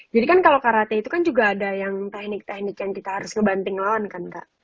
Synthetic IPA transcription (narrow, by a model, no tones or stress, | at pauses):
d͡ʒadikankalokaɾat̪ɛit̪ukand͡ʒuɡaːdajaŋt̪ɛhnɪk̚t̪ɛhnɪkjaŋkit̪ahaɾʊsŋəbant̪ɪŋlawankanka̰ʔ